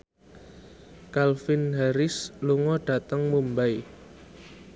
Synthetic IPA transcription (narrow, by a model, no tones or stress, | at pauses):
kalfɪnɦaɾɪsluŋɔɖ̥a̤t̪əŋmumbaj